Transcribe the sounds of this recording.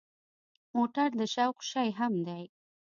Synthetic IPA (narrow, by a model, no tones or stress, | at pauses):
moʈaɾd̪əʃawqʃajɦamd̪aj